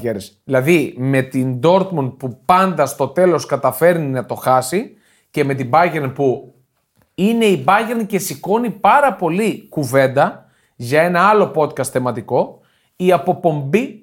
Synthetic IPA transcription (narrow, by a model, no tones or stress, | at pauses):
eɾes | ilɐðime̞t̪ind̪o̞ɾt̪mun̚pupɐnd̪ɐst̪o̞t̪e̞lo̞skɐt̪ɐfe̞ɾninɐt̪o̞xɐsi | ce̞me̞t̪ibɐʝeɾnpu | ine̞ibɐʝeɾnce̞siko̞nipɐɾɐpo̞likuve̞nd̪ɐ | ʝɐe̞nɐɐlo̞po̞t̪kɐst̪θemɐt̪iko̞ | iɐpo̞po̞mbi